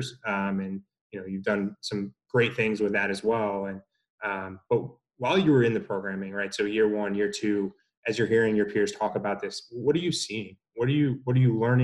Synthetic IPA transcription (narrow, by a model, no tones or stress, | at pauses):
z̥ʌ̃mɨ̃n | jɨnoʊjʉvdʌ̃nsʌ̃mɡ̥ɹeɪt̪̚θɪ̃ŋzwɨðɨɾɨzwɛlˠɨ̃n | ʌ̃mb̥ʌt̚ | waɪlˠjəə˞ɨ̃nðɨpʰɹ̥oʊɡɹæ̃mɪ̃ŋɹaɪtsoʊjɪɹwʌ̃njɪ˞tʰʉ | ʔɨzjə˞hiɹɪ̃ŋjə˞pʰɪɹz̥tʰɔkəbaʊt̪̚ðɪswʌɾd̥ɨjɨsiɪ̃ŋ | wʌɾəjɨwʌɾə˞jɨlɜ̃˞nɪ̃